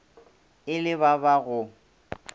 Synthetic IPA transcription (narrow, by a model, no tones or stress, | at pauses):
ɪlɪbabaɣʊ